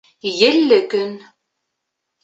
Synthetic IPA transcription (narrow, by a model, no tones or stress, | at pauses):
jɘ̆lːɘkɵn